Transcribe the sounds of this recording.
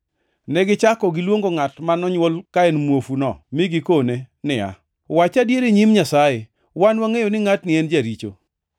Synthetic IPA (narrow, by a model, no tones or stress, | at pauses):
nɛɡɪt͡ʃakɔɡɪlwoŋɡoŋatmanɔɲwolkaɛnmwofunɔmɪɡɪkonenɪa̰ | wat͡ʃadjeɾeɲimɲasaje | wanwaŋejonɪŋatnɪɛnd͡ʒaɾit͡ʃo̰